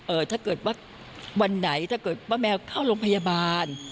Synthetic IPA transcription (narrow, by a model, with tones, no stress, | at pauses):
ʔɤː˧˩t̪ʰaː˥˩kɤː˨˩t̪̚waː˥˩ | wa˧nːa˩˦jt̪ʰa˥˩kɤː˨˩t̪̚waː˥˩mɛː˧wkʰaː˥˩wɾoː˧ŋpʰa˧jaː˧baː˧n